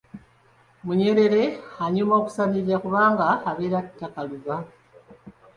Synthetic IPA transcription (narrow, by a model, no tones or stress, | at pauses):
muɲe̞ɾe̞le̞haɲumaoku̥saniɾiakuβaːŋɡaːβeɾatakaluβa